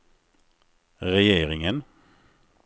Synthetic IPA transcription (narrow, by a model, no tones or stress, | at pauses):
ʁɛjeːʁɪŋən